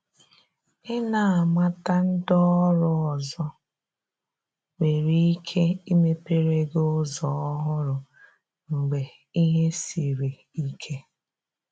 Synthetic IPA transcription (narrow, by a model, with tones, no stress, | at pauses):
ɪ˦na˨a˨ma˦ta˦n̩˦dɔ˦ɾɔ˨ɔ˨zɔ˦ | we˨ɾi˦i˦kʰe˦i˦me˦pe˦ɾe˦ɡo˦zɔ˨˦ɔ˦ɦʊ˦ɾʊ˨ | ŋ͡m̩˨ɡ͡be˨ | i˦ɦe˦si˨ɾe˨ | i˦kʰe˦